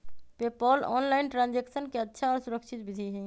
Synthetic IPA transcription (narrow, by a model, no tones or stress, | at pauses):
peːpɔːlɔ̰ːnlaːɪnʈɾãːnd͡ʒeːksənkeɐtːʃʰaɔːɾsʊɾəkʃʰɪt̪̚bɪd̪ʱiɦɛ̃ː